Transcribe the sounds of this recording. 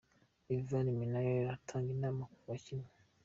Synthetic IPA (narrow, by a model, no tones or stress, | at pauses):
ilvaniminajɔɾatʰaŋɡinamakuwat͡ʃina